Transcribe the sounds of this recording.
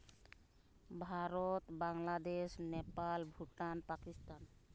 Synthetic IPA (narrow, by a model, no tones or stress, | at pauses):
bʱaɾɔt̪baŋlad̪esnɛpalbʱuʈanpakist̪an